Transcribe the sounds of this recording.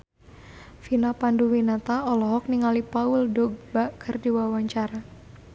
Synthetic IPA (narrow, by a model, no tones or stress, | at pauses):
finapanduwinat̪aɔlɔɦɔk̚niŋalipauldɔɡ̚bakʰərdiwawaɲt͡ʃaɾa